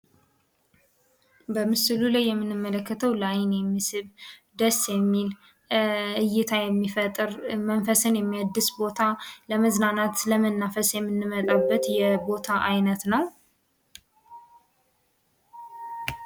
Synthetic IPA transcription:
bəmɨsɨlulajːɛmːɨnːɨmːələkːət̪ʰəwlajnjɛmːisɨβd̪əsjɛmːil | ɨjːɪt̪ʰajɛmːifət̪ʼɾmənfəsɨnjɛmːijad̪ːɨsbo̞t̪ʰaləməznanat̪ləmənːafəsjɛmːɨnːɨmət̪ʼabːət̪jɛbo̞t̪ʰaʔajnət̪nəw

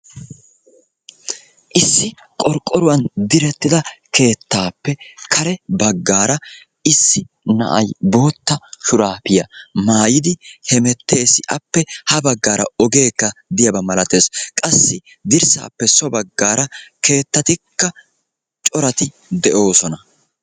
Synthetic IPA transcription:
ʔɪsːɪ | kʼɔɾkʼːɔɾʊwɐnd̪ɪɾɛt̪ːɪd̪ɐke̞ːt̪ːaːpːɛkɐɾɛbɐɡːaːɾɐ | ɪsːɪ | nɐ̰ʔɐjbo̞ːt̪ːɐʃʊɾaːpɪjɐmaːjɪd̪ɪhɛmɛt̪ːe̞ːsɪʔɐpːɛhɐbɐɡːaːɾɐ̰ɔɡe̞ːkːɐd̪ɪjɐbɐmɐlɐt̪e̞ːskʼɐsːɪ | d̪ɪɾsa̰ːpːɛsɔbɐɡːaːɾɐke̞ːt̪ːɐt̪ɪkːɐ | t͡ʃʼɔɾɐt̪ɪ | d̪ɛʔo̞ːsɔnɐ

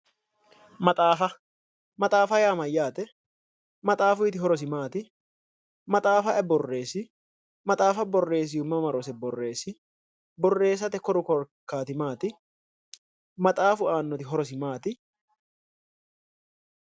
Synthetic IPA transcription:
mɐt̪ʼaːfɐ | mɐt̪ʼaːfɐjaːmɐjːaːt̪ɛ | mɐt̪ʼaːfʊɪt̪ɪɦɔɾɔs̬ɪmaːt̪ɪ | mɐt̪ʼaːfɐʔɛbɔrːe̞ːsɪ | mɐt̪ʼaːfɐbɔrːe̞ːs̬ɪjʊmːɐmɐɾɔsɛbɔrːe̞ːsɪ | bɔrːe̞ːs̬ɐt̪ɛkɔɾʊkɔɾkːaːt̪ɪmaːt̪ɪ | mɐt̪ʼaːfʊaːnːɔt̪ɪɦɔɾɔs̬ɪmaːt̪ɪ

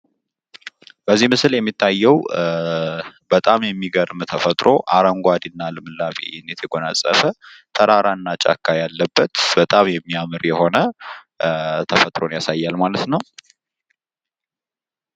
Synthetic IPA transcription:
b̥əzːihmɨsljɛmːit̪ʰːajːɛw | bət̪ʼamjɛmːiɡəɾmt̪ʰəfət̪ʼɾʔo̞̰ʔaɾəŋɡʷad̪ɨnːalɨmɨlːafḛjɛnːet̪ʰəɡo̞nasʼə̰fət̪ʰəɾaɾanːat͡ʃʼa̰kʰːajalːəbːət̪b̥ət̪ʼamjɛmːiamɨɾjɛho̞nə | t̪ʰəfət̪ʼɾo̞njasajːalmalət̪nəw

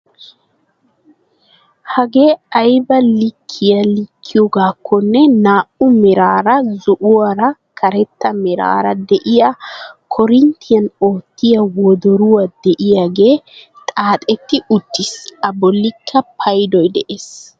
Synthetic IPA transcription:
hɐɡe̞ːɐjbɐlɪkʰːɪjɐlɪkʰːɪjɔɡaːkʰːɔnːɛnaːʔʊmɛɾaːɾɐzʊʔʊwɐɾɐkʰɐɾɛt̪ːɐmɛɾa̰ːɾɐd̪ɛʔɪjakʰɔɾɪnt̪ʰɪjɐno̞ːt̪ːɪjɐwɔd̪ɔɾʊwɐd̪ɛʔɪjaɡe̞ː | t̪ʼaːt̪ʼɛt̪ːɪʊt̪ːɪsɐbɔlːɪkʰːɐpʰɐjd̪ɔjd̪ɛʔeːs

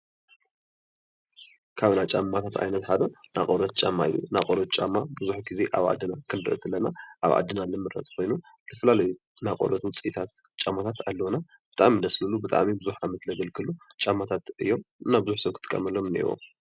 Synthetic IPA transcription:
kʰaβnat͡ʃʼamːat̪ʰat̪ʰa̰jnɐt̪ħad̪ɐna̰kʼoɾɐt̪̚t͡ʃʼamːaḭjːṵnakʼoɾɐt̪̚t͡ʃʼamːabɨzuħɡizeʔa̰βʕa̰d̪ːɨnakʰɨndɾɨ̰ʔt̪ʰɨlːɐnaʔaβa̰d̪ːɨnanɨmɨɾɐ̰t̪ʼkʰo̞jnu | tʰɐfɐlalɐju | nakʼo̰ɾɐt̪wʊt͡sʼit̪ʰat̪ | t͡ʃʼamːat̪ʰat̪alːɐwna | b̥ɨt̪ʼa̰ʔmid̪ɐslulubɨt̪ʼa̰ʔmibɨzuħamɐt̪lɐɡɐlkʰɨlut͡ʃʼamːat̪ʰat̪ɨjːo̞mɨnabɨzuħsɐβkʰɨt̪ʼɨ̥kʼːɐ̰mɐlːomɨnḛwo̰m

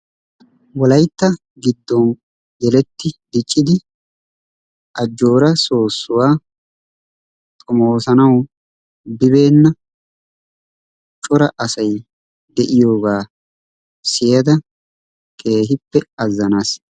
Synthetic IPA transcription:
wɔlɐjt̪ːɐ | ɡɪd̪ːɔn | jɛlɛt̪ːɪd̪ɪt͡ʃʼːɪd̪ɪ | ʔɐd͡ʒːo̞ːɾɐso̞ːsːʊwaː | t̪ʼʊmo̞ːsɐnɐw | bɪβe̞ːnːɐ | t͡ʃʼɔɾɐʔɐsɐj | d̪ɛʔɪjo̞ːɡaː | sɪjɐd̪ɐ | kʼe̞ːɦɪpːɛɐzːɐnaːs

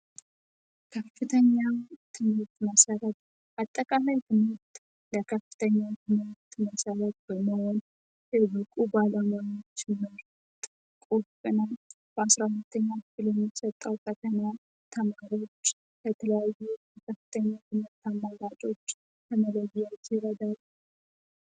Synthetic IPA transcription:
kʰəfɨt̪ʰəɲːat̪ʰɨmɨɾt̪məsəɾət̪̚ | ʔat̪ʼːəkʼalajt̪ʰɨmɨɾt̪ | ləkʰəfːɨ̥t̪ʰəɲːat̪ʰɨmɨɾt̪məsəɾət̪̚b̥əməhon | jɛbɨkʼubaləmanot͡ʃːmɨɾ | t̪ʼ | kʼofʼɨna | b̥asɾahʊlt̪ʰːəɲːakɨ̥filjɛmːisət̪ʼːəwkʰət̪ʰəna | t̪ʰəmaɾo̞t͡ʃː | kʰət̪ʰələjajːujɛkʰəfːɨ̥t̪ʰəɲːat̪ʰɨmɨɾt̪amːaɡat͡ʃʼo̞t͡ʃː | t̪ʰəmələɡɪjad͡ʒɪɾəd̪alːu

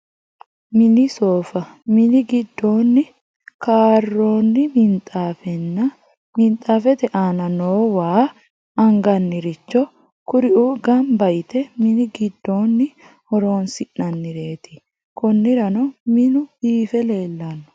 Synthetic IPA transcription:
mɪnɪsoːfɐmɪnɪɡɪd̪ːo̞ːnːɪ | kaːrːo̞ːnːɪmɪnt̪ʼaːfɛnːɐ | mɪnt̪ʼaːfɛt̪ɛʔaːnɐnoːwaː | ɐŋɡɐnːɪɾɪt͡ʃːɔ | kʊɾɪʔuɡɐmbɐjt̪ɛmɪnɪɡɪd̪ːo̞ːnːɪ | hɔɾo̞ːnsɪnːɐnːɪɾe̞ːt̪ɪ̥ | kʊnːɪɾɐnɔmɪnʊb̥iːfɛle̞ːlːɐnːɔ̥

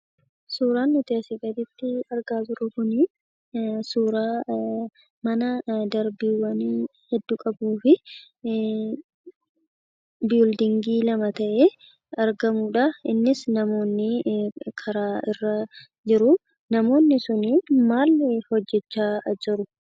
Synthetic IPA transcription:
suːɾaːnːʊt̪eːsɪɡɐd̪ɪt̪ːɪɐɾɡaːbɪɾʊkʊni | suːɾaː | mɐnɐd̪ɐɾbiːwɐnː | hɛd̪ːuːkʼɐbuːfɪ | bild̪ɪŋɡiːlɐmɐt̪ɐʔeː | ɐɾɡɐmuːᶑɐɪ̰nːɪsnɐmo̞ːnːɪkʰɐɾaːɪrːɐ | d͡ʒɪɾʊ | nɐmo̞ːnːɪsʊnimaːlhɔd͡ʒːɛt͡ʃːaːd͡ʒɪɾʊ

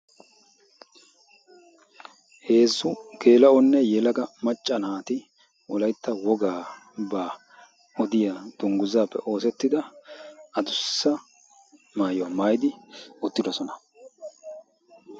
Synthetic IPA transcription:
he̞ːzːʊke̞ːlɐɔnːɛjɛlɐɡɐmɐt͡ʃʼːɐnaːt̪ɪ | ɔlɐjt̪ːɐwɔɡaː | baː | ɔd̪ɪjad̪̥ʊŋɡʊzaːpːɛ̰ʔo̞ːsɛt̪ːɪd̪ɐ | ɐd̪ʊsːɐ | maːjowɐmaːjd̪ɪʊt̪ːɪd̪ɔsɔnɐ

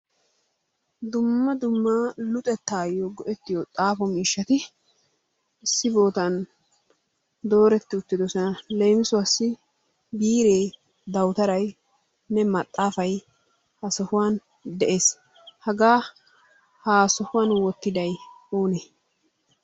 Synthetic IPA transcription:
d̪ʊmːɐd̪ʊmːaːlʊt̪ʼɛt̪ːaːjɔɡɔʔɛt̪ːɪjot̪ʼaːfɔmiːʃːɐt̪ɪ | ɪsːɪbo̞ːt̪ɐn | d̪o̞ːɾɛt̪ːɪʊt̪ːɪd̪ɔsɔnɐlejmɪsʊɐsːɪ | biːɾe̞ː | d̪ɐwt̪ɐɾɐj | nɛmɐt̪ʼːaːfɐj | hɐsɔhʊwaːn | d̪ɛʔe̞ːs | hɐɡaː | haːsɔhʊwaːnwɔt̪ːɪd̪ɐj | oːne

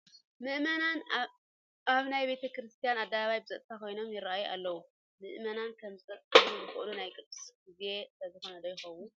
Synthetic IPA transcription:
mɨʔmɐnan | aβnajbet̪ʰɐkɾɨst̪ʰijanad̪ːaβaβajbɨzɐt̪ʼt̪ʰakʰo̞jno̞mjɪɾaʔajuʔa̰lːɐwu | mɨʔmɐnankʰɐmzzɨxɨʔlunajkʼɨd̪ʼɨsɡize̞slɐzɨxonɐd̪ɐjɪxɐwːun

